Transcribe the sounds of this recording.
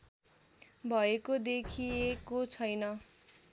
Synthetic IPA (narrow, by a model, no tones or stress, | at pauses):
bʱʌekod̪ekʰiekot͡sʰʌjnʌ